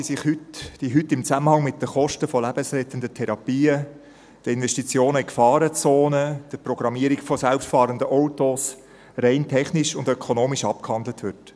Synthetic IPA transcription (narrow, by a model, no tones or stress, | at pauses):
isɪχhytd̥iɦʏtːɪmt͡sæməhɑŋmɪt̚d̥əχɔʃtəfɔlæbəsɾɛt̪əndətʰɛɾɑpiːə | d̥əɪnʋɛʃtit͡sjoːnəɪkfɑːɾət͡soːnəd̥əprɔɡ̥ɾɑmiəɾikfɔsælpʃtfɑːɾəndəʔɔʊtos | reɪntʰɛχniʃʊndœkʰonoːmiʃɑp̚khɑndlət̪ʋʏt